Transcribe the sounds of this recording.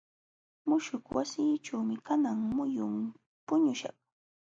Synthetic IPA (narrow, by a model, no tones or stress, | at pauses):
mʊʃʊkwasiːʈ͡ʂawmɪkanaŋmʊjʊm | pʊɲʊʃɑ̰χ